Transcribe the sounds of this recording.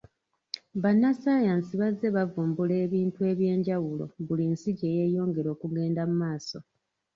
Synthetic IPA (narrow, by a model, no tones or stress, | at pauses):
βanːasaːjansiβaze̞βavuːmbule̞ːβiːntue̞ːβje̞ːɲɟawulo̞̰βulinsiɟe̞ːje̞ːjo̞ːŋɡe̞ɾo̞ːkuɡe̞ːndamumaːso̞